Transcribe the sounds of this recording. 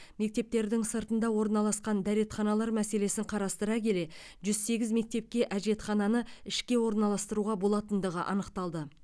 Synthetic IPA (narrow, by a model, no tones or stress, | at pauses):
me̞k̚t̪e̞p̚t̪e̞ɾd̪ɪŋsəɾt̪ənd̪ɑwo̞ɾənɑlˠɑsqɑnd̪æɾe̞t̪χɑnɑlˠɑɾmæse̞le̞sɪɴqʰɑɾɑst̪əɾɑkʲʰe̞le̞ | ʒʏzse̞ɡʲɪzme̞k̚t̪e̞p̚kʲe̞ʔæʒe̞t̪χɑnɑnəɪʃkʲe̞wo̞ɾnɑlˠɑst̪əɾuʁɑbo̞lˠɑt̪ənd̪əʁə̰ʔɑ̰nəqt̪ɑlˠd̪ə